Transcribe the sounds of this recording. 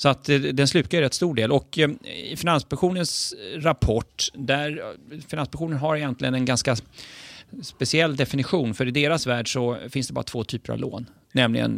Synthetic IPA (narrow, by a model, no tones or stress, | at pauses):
sɔat̪d̪ɛnslʉ̟ːkaɾɛt̪ːst̪uːɖeːlɔkɪ̰fɪnanspaŋɧuːnənsɾapʰɔʈːd̪æɾfɪnanspaɧuːnənɦaɾɪjɛnt̪lɪɡənɛnɡanska | spɛsɪɛlːd̪ɛfɪnɪɧuːnfœɾɪd̪eːɾasvæːɖʂɔfɪnsd̪ɛbɑːɾat̪voːt̪ʰyːpəɾa̰vlo̰ːnː | ɛmlɪɡə̰n